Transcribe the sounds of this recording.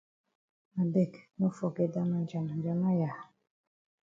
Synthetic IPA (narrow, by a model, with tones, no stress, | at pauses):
a˨de˦˨kno˦fɔ˨ke˨da˦ma˦d͡ʒa˨n˨d͡ʒa˨ma˦ja˨